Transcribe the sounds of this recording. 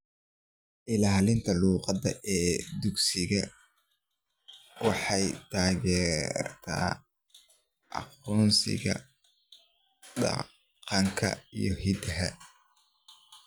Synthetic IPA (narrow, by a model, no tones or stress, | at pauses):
ʔɪlaːlɪnt̪ʰɐluːqɑðɐʔɛːd̪ʊɡsɪɣɐ | wɑħɑjt̪ʰaːɣɛːrt̪ʰa̰ː | ʔɑ̰qɔːnsɪ̰ɣɐ̰ | ɖɑ̰ | qɑŋkʰɐ̰ijɞhid̪ɐɦɐ̰